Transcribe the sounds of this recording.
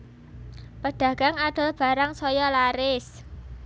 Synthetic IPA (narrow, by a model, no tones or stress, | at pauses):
pəɖ̥ä̤ɡ̥a̤ŋaɖ̥a̤lb̥a̤ɾaŋsɔjɔlaɾɪs